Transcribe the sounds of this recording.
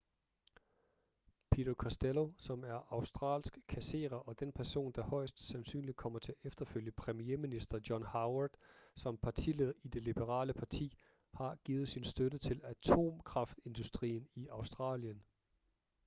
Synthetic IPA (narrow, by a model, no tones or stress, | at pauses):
pʰidokʰɒsd̥elo̝sɒ̽mæɐʔɑ̈ʊsd̥ʁɑ̰̈ːlsɡ̥kʰæse̝̰ːʁɐʔɒ̽d̥enpʰæɐso̝̰ːnd̥ɑ̈hɒ̽ɪ̰sd̥sænsy̰ːnlid̥̚kʰɒ̽m̰ɐt͡sʰe̝æʔefd̥ɐføljəpʰʁɛmie̝minisd̥ɐd̥jɒ̽nhɑ̈ʊɐd̥sɒ̽mpʰɑ̈t͡sʰḭːle̝ð̰ˠid̥e̝lib̥əʁɑ̰̈ːləpʰɑ̈t͡sʰḭː | hɑ̈ɡ̥ḭːð̩ˠsinsd̥ødət͡sʰe̝læt͡sʰo̝̰ːmkʰʁɑ̈fd̥e̝nd̥usd̥ʁḭːniɑ̈ʊsd̥ʁɑ̰̈ːljən